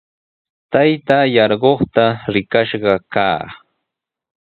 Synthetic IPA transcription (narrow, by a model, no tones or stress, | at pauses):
t̪ajt̪aːjɑɾɢoχt̪aɾɪkaʃɢɑkaː